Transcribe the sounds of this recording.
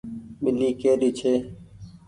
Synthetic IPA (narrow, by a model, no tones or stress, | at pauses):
mɪliːkeːɾiːt͡ʃʰeː